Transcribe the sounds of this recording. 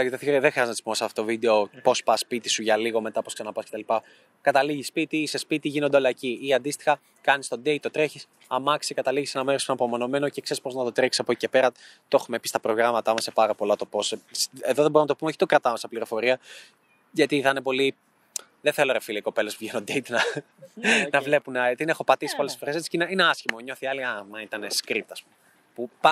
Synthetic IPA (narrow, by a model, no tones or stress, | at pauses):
dɐkiðeθɾðexɾiɐznɐt̪i̥sipomɐseɐft̪o̥t̪ovid̪e̞opo̞spɐspit̪isuʝɐliɣomet̪ɐposksɐnɐpɐsket̪ɐlipɐ | kɐt̪ɐliʝispit̪ise̞spit̪iʝinond̪eolɐciiɐnd̪ist̪i̥xɐ | kɐnist̪o̞d̪eit̪ot̪ɾe̞çis | ɐmɐksikɐt̪ɐliʝisenɐme̞ɾosenɐpo̞mo̞no̞me̞nocekse̞ɾispo̞znɐt̪o̞t̪ɾeksi̥sɐpoci̥cepe̞ɾɐt̪oo̞xumepist̪ɐpɾo̞ɣɾɐmɐt̪ɐmɐsːepɐɾɐpo̞lɐt̪o̞po̞seseðo̞ðebo̞ɾunɐt̪o̞pumeoçi̥t̪o̞kɾɐt̪ɐmɐsɐpliɾo̞fo̞ɾiɐ | ʝɐt̪iθɐnepo̞li | ðeθelo̞ɾefiliko̞pe̞lesuvʝenod̪eit̪nɐ | nɐvle̞punɐt̪inexo̞pɐt̪isi̥poale̥sfo̞ɾeset͡ssi̥ineineɐsçimo̞ɲoθiɐliɐnɐit̪ɐneskɾip̚t̪ɐspum | pupɐ